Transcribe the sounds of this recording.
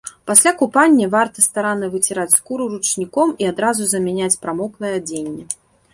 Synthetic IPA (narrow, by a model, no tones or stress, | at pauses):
pasʲlʲakupanʲːɐvart̪ɐst̪aɾanːɐvɨt͡sʲiɾat͡sʲskuɾuɾut͡ʂnʲikɔmiad̪ɾazuzɐmʲɛnʲat͡sʲpɾamɔklˠɐjɛd͡zʲenʲːɛ